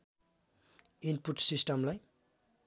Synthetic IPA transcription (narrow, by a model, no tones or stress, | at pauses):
inpuʈsisʈʌmlaj